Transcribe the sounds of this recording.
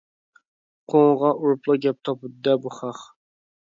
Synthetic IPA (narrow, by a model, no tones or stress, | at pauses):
qʰoŋʁɑʔuɾplˠɑɡʲɛp̚t̪ʰɑpʰɨd̪ɛbuχɑχ